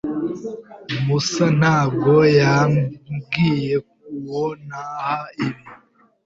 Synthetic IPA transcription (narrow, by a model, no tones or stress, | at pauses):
musan̥haːbɡo̞ja | ɡije̞k̚uwonahaiβi